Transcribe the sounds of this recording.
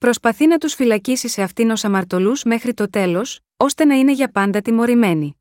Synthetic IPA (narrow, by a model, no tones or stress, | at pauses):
pɾo̞spɐθinɐt̪usfilɐcisise̞ɐft̪ino̞sɐmɐɾt̪o̞luzme̞xɾit̪o̞t̪e̞lo̞s | o̞st̪e̞nɐine̞ʝɐpɐnd̪ɐt̪imo̞ɾime̞ni